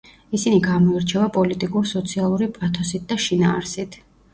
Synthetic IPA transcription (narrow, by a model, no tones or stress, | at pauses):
isiniɡamɔiɾt͡ʃʰɛvapʼɔlit̪ʼikʼuɾsɔt̪sʰialˠuɾipʼat̪ʰɔsit̪̚d̪aʃinaːɾsit̪ʰ